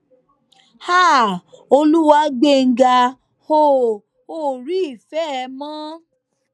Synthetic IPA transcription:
ha˦˨o˧lu˦wa˧˦ɡ͡be˦˨ŋ̩˨ɡa˧ | ho˦˨ | o˦˨ɾi˦i˦˨fɛ˦˧˦mã˦

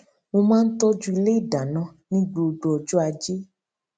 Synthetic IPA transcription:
wo˧mãː˦n̩˦t̪ɔ˦d͡ʒu˦i˧le˦i˦˨da˨nã˧˦nĩ˦ɡ͡bo˧o˧ɖo˨˧ɔ˧d͡ʒu˦a˧d͡ʒe˦

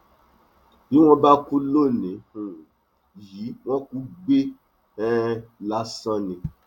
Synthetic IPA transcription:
bi˨˦w̃ɔ̃˧˦ba˦ku˦lo˦˨nĩ˨˦hũ˨ | ji˨˦w̃ɔ̃˦ku˦ɡ͡be˦ | ɛ̃˦la˦sɔ̃˧nĩ˨

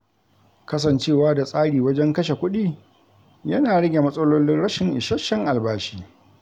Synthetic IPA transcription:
kɐ˦s̬ɐ˨nt͡ʃeː˦˨waː˦da˨sʼaː˦ɽiː˨wɐ˦d͡ʒɛ˦ŋkɐ˦ʃe˨kʷʊ˦ɗiː˦˨ | jɐ˦naː˨ɽɐ˦ɡʲe˨mɐ˦sʼɐ˦loː˦lɪ˦nɽɐ˦ʃɪ˨ŋʔɪ˨ʃɐ˦ʃɐ˦ŋʔa˨lbaː˦ʃi̥ː˦

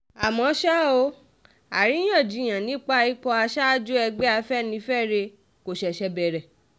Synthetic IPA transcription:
a˨mɔ̃˨˦ʃa˦o˧˦ | a˨ɾi˨˦j̃ã˦˨d͡ʒi˨˧˦j̃ã˨nĩ˨˦k͡pa˦i˦k͡pɔ˧a˧ʃa˦d͡ʒu˦ɛ˧ɡ͡bɛ˦a˧fɛ˦nĩ˧˦fɛ˦˨ɾe˧ | ko˨ʃɛ˨ʃɛ˧bɛ˨ɾɛ˨

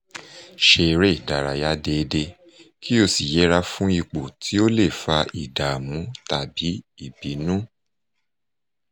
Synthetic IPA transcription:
ʃe˧˨ɾe˦˨da˨ɾa˨ja˦de˧de˧ | ki˦o˧si˨jɛ˨˦ɾa˦fũ˦i˧˨k͡po˨tʰi˨˦o˦le˦˨fa˧ʔi˨da˨mũ˨˦ta˨bi˨˦i˦˨bi˨˦nũ˦

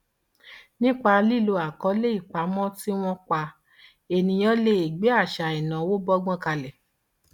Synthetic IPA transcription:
nĩ˦k͡pa˧li˦˨lo˧a˨kɔ˨˦le˦i˦˨k͡pa˨˦mɔ̃˦ti˦w̃ɔ̃˦k͡pa˧ | e˨nĩ˧j̃ɔ̃˦le˦e˨ɡ͡be˨˦a˦˨ʃa˨i˨nã˨˦wo˦bɔ˦ɡ͡bɔ̃˦˨ka˧lɛ˨

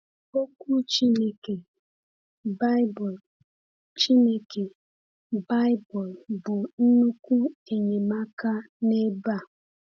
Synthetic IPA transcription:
o˦kʷu˦t͡ʃi˦ne˦ke˨ | ba˦ɪ˦bɔ˨l | t͡ʃi˦ne˦ke˨ | ba˦ɪ˦bɔ˨lbʊ˨n̩˦nu˦kʷu˦e˨ɲe˨ma˦ka˦ | ne˦ba˦˨

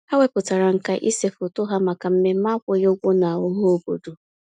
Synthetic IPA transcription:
a˦we˦pʊ˨ta˨ɾa˨ŋ̩˨ka˦ʔḭ˦se˨fo˨tʊ˦ɦa˦ma˨ka˨m̩˦me˦ma˦kʷʊ˦jo˦ɡʷo˦na˨ʊ˦ɦo˦o˦bo̰˨do˨

